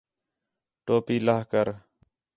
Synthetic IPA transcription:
ʈoːpiːlaːɦkəɾ

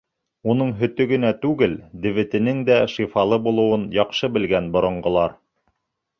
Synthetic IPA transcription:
unɤɴɦɵ̆t̪ɵ̆ɡɘ̆næt̪ʉɡɘld̪ɘ̆βɘ̆t̪ɘ̆nɘŋd̪æʃifɑlˠɤbulˠɤ̆wɤnjɑqʃɤbɘ̆lɡænbŏɾŏɴɢŏlˠɑɾ

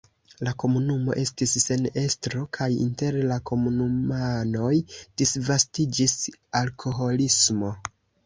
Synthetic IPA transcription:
lako̞munumo̞̰ʔe̞stisːe̞ne̞stɾo̞kʰajḭnte̞ɾlako̞munumano̞jd̥isvastid͡ʒisalkʰo̞ɦo̞lismo̞

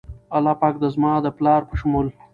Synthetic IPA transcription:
alɑpɑk̚d̪əzmɑd̪əplɑɾpəʃʊmul

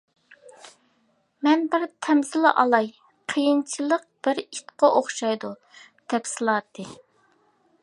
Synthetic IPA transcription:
mɛnbɪɾt̪ʰɛmzɪlˠɨʔɑlˠɑj | qʰəjint͡ʃʰilˠəq̚b̥ɪɾit̪qɑʔoχʃɑjd̪u | d̪̥ɛpsɨlˠɑːt̪ʰːɨ

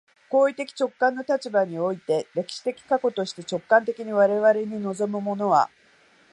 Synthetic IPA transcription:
ko̞ːit̪e̞kʲi̥t͡ɕo̞kːãnːo̞t̪at͡ɕibaɲ̟io̞it̪e̞ɾe̞kʲi̥ɕi̥t̪e̞kʲi̥kako̞t̪o̞ɕi̥t̪e̞t͡ɕo̞kːãnt̪e̞kʲiɲ̟iβaɾe̞βaɾe̞ɲ̟ino̞zo̞mɯ̟mo̞no̞βa̰

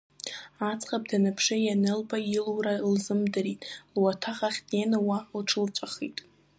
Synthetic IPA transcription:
at͡sʰʼχap̚danapʰʂɨjanɨlbailwralzɨmdɨritʼlwatʰaχaχʲtʼenɨwalʈ͡ʂʰɨlt͡ʃʷʼaχḭtʼ

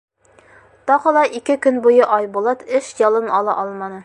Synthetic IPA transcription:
t̪ɒʁɤ̆lˠɑʔikɘkɵnbujɤʔɒjbulˠɑt̪ʰɘʃjɒlˠɤnɒlˠɑ̰ʔɒlˠmɑnɤ

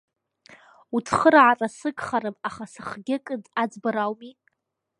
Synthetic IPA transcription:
utʰχəɾʕarasɨkʼχaɾɨmaχasɨχɡʲɪkʼɨdʼad͡zbaɾawmi

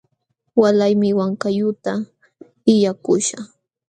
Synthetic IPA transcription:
walajmɪwaŋkajʊt̪a | ɪjakʊʃa

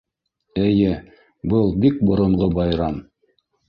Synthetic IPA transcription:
ɘ̆jɘ | bɤlˠbik̚bŏɾŏɴʁobɑjɾɑm

